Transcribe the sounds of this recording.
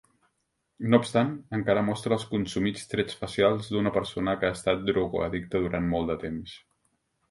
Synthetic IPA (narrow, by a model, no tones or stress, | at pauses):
nopst̪anəŋkaɾəmɔst̪ɾəːlˠskunsumit͡st̪ɾɛt͡sfəsialˠzd̪unəpəɾsonəkəaːst̪at̪̚d̪ɾoɣo̰ə̰ðik̚t̪əðuɾʔanmɔlˠd̪ət̪ems